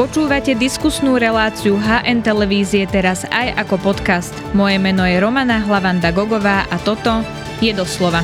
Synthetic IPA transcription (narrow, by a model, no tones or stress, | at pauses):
pɔt͡ʃuːʋacɛd̪iskusnuːɾɛlaːt͡siuɦaːʔɛnt̪ɛlɛʋiːziɛt̪ɛɾaza̰jakɔpɔt̪kast̪mɔjɛmɛnɔjɛɾɔmanaɦlaʋand̪aɡɔɡɔʋaːʔat̪ɔt̪ɔ | jɛd̪ɔslɔʋa